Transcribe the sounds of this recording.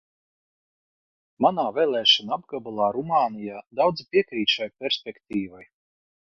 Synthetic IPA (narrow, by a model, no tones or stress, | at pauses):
manaːvɛːlˠɛːʃɔnaabɡabulˠaːɾumaːnijaːd̪awd̪zipʲiɛkɾiːt̪ʃajpʲɛɾsʲpʲɛkt̪iːvaj